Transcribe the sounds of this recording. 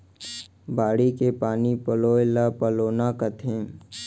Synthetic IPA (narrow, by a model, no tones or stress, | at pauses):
baːɽikepaːnipəloːlapəloːnakət̪ʰẽː